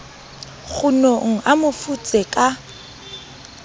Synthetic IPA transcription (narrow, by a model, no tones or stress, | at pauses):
ɣʊnoŋ̩ʔamʊfut͡sʼɛkʼa